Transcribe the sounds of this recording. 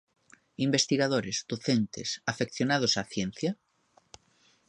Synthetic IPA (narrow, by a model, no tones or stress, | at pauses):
imbest̪iɣaðoɾezd̪̥oθent̪ḛsafekθjonað̞ʊsaθjen̟θja